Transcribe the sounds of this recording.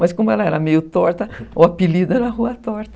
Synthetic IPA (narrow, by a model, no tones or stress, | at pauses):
mɐskõmʊɛlɐɛɾɐmejʊt̪ɔɾt̪ɐoɐpilid̪ʊɛɾɐɦuɐt̪ɔɾt̪ɐ̥